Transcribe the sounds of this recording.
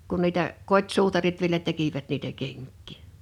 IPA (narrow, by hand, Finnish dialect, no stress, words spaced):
kun niːtæ kotʲsuːtɑrit ʋielæ tekiʋæt niːtæ keŋkˑiˑ